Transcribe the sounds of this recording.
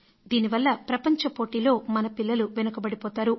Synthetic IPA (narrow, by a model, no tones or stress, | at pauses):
d̪iːniʋɐlːɐpɾɐpɐɲt͡ʃɐpo̞ːʈiːlo̞ːmɐnɐpilːɐluʋɛnɐkɐbɐɽipɔːt̪aːɾu